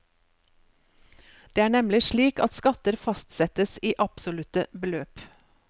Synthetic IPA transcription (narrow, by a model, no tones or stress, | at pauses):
d̪̥eːæːɳɛmlɪʃɭiːkɑt̪skɑt̪əɾfɑst̪sɛt̪əsiːʔɑpsʊlʉt̪əbəløːp